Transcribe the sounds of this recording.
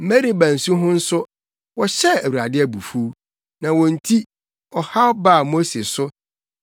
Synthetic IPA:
m̩˨mæ˦ɾi˦bæ̃˨n̩˨sũ˦ɦʊ̃˦n̩˦sʊ˦ | wɔ˨ɕɛ˦æ˨wu˨ɾa˨dɪ˦æ˨bu˨fu˦ | nã˨wɔ̃˨n̩˨tʰi˦ | ɔ˨ha˦ɔ˦ba˦˨mo˦se˨sʊ˦

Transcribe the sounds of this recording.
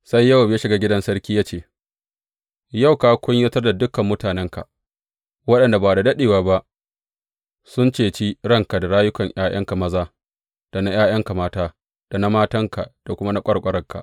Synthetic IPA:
sa˦jːɐ˦wa˨m˨jaː˦ʃɪ˨ɡaː˦ɡʲɪ˦dɐ˦nsɐ˦rkʲiː˦jaː˦t͡ʃeː˦˨ | ja˦˨wkaː˨kʷʊ˦ɲjɐ˦tɐ˦rda˨dʊ˦kɐ˨mːʊ˦taː˨nɛ˦ŋka̰˨ | wɐ˦ɗɐ˨nda˨baː˨da˨dɐ˦ɗeː˨waː˨ba˦ʔ | sʊ˦nt͡ʃeː˨t͡ʃi˦ɽɐ˦ŋka˨da˨ɽaː˦jʊ˦kɐ˨ɲʔj̰aː˦j̰ʔɐ̰˦ŋka˨mɐ˦zaː˦ | d̥a˨na˦j̰aː˦j̰ɐ˦ŋka˨maː˦taː˦ | d̥a˨na˦maː˦tɐ˦ŋka˨d̥a˨kʷʊ˦ma˦na˦kʷʼɐ˦ɽkʷʼɐ˦ɾɐ˦ŋka̰˨ʔ

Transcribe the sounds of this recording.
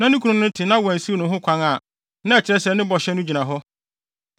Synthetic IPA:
nã˦nʊ̃˦kʰu˨ɾʊ̃˨˦nʊ̃˦tʰɪ˨nã˦wɔ˨n̩˨si˦nʊ̃˨ɦʊ̃˦kʰʷã˦ŋa˨ | nã˦ɛ˨t͡ɕʰɪ˨ɾɛ̃˦sɛ˨nɪ̃˦bɔ˨ɕɛ˦nʊ̃˦d͡ʑi˨nã˨ɦɔ˦

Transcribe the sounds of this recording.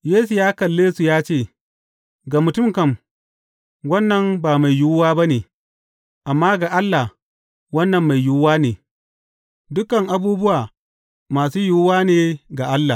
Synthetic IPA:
jeː˦su˨jaː˦kɐ˨lːeː˦su˨jaː˦t͡ʃeː˦˨ | ɡa˨mʊ˨tʊ˦˨mkɐ˦˨m | wɐ˦nːɐ˨mbaː˨ma˨jjʊː˦waː˦ba˦neː˨ | ʔa˨mːaː˦ɡa˨ʔa˦lːa˨h | wɐ˦nːɐ˨mːa˨jjʊ˦waː˦neː˨ | dʊ˦kɐ˨ŋʔa˨buː˦bʊ˦waː˨ | maː˨suː˦jʊː˦waː˦neː˨ɡa˨ʔa˦lːa˨

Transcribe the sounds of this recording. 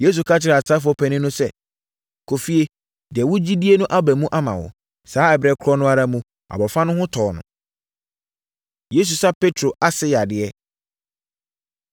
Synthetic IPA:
je˦s̬u˨kʰa˦t͡ɕʰɪ˦ɾa˨sa˦fʊ˦ɔ˦pʰæ˨nɪ̃˦nʊ̃˦sɛ˦˨ | kʰo˨fi˦e˦ | dɪ˨ɛ˨wʊ̃˦d͡ʑi˦di˦e˦nʊ̃˦ʔa˦bæ˨mũ˦ʔa˦mã̰˨wʊ̰˨ | saː˨˦ɛ˨bɾɛ˦kʰʊ˦ɾɔ˦nʊ̃˦a˦ɾa˦mũ˦ | a̰˨bɔ˨fã˦nʊ̃˦hʊ̃˦tʰɔː˨nʊ̰̃˨ | je˦s̬u˨sa˦pe˦tʰɾo˨ʔa˦sɪ˦ja˨dɪ˨ɛ˦

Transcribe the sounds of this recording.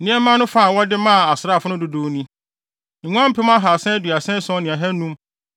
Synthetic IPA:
nĩ˦ɛ˦mã˦nʊ̃˦fã˦˨wɔ˦dɪ˦mã˦˨a˨sɪ˨ɾa˦˨fʊ˦nʊ̃˦dʊ˦do˨˦nĩ˦ | ŋ̩˨ŋ̃ʷ˦ã˦m̩˦pʰɪ˦m˦ã˦ɦa˨sɛ̃˦dɥa˨sɛ̃˦sɔ̃˦nɪ̃˨a˨ɦɛ˦nũ˦m

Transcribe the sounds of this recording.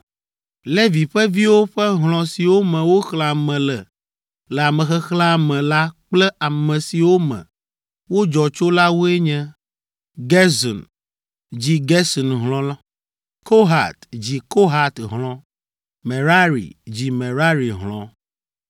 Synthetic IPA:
le˦vi˨ɸɛ˦vi˦wo˦ɸɛ˦ɦl̃ɔ̃˨si˨wo˦mɛ̃˨wo˦xla˨mɛ̃˨lɛ˨ | lɛ˨a˨mɛ̃˨xɛ˦xla˦mɛ̃˨la˦k͡plɛ˦a˨mɛ̃˨si˨wo˦mɛ̰̃˨ | wo˦d͡ʒɔ˨t͡ʃo˦la˦wo˦ɛ˦ɲɛ̃˦ | ɡɛ˦zɔ̰˨n | d͡ʑi˦ɡɛ˦sɔ˨nɦlɔ̃˨la˦ | ko˦ɦa̰˨t̪d͡ʑi˨ko˦ɦa˨t̪ɦlɔ̃˨˦ | mẽ˨ɾa˦ɾḭ˨d͡ʑi˨mẽ˨ɾa˦ɾi˨ɦlɔ̃˨

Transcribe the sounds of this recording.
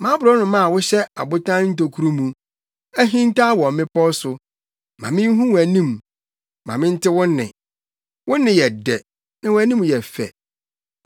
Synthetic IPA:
mã˨˦bʊ˨ɾɔ˦nʊ̃˨mã˦a˨wʊ˦ɕɛ˦a̰˨bʊ˦tʰã˦n˦n̩˦to˨kʰu˦ɾu˦mũ˨ | æ˦ɦĩ˦n˦tʰa˦wɔ˨mɪ̃˦pɔ˦sʊ˨ | mã̰˨mɪ̃˦n˦ɦũ˦wæ˨nĩ˦˨m | mã̰˨mɪ̃˦n̩˦tʰɪ˦wʊ̃˦nː˦ɪ̰̃˨ | wʊ̃˦nːɪ̃˨jɛ˨dɛ˨ | nã˦wʊ˨˦æ˨nĩ˦m˨jɛ˨fɛ̰˨

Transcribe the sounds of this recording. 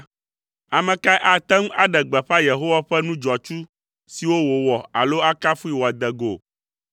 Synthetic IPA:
a˨mɛ̃˨ka˦ʔa˨t̪ɛ˦ŋu˦a˨ɖɛ˨ɡ͡bɛ˨ɸa˦je˨ɦo˦wa˦ɸɛ˦nũ˦d͡ʒɔ˨t͡ʃu˦ | si˨wo˦wo˨wɔ˨a̰˨lo˦a˦ka˦fu˦i˨wɔ˨a˨d̪ɛ˨ɡo˨

